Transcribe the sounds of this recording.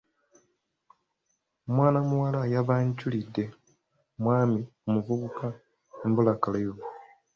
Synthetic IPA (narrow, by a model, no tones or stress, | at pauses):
mwaːnamuwalajaβaɲculidːe̞ | mwaːmiomuvuβuka | embulakalajo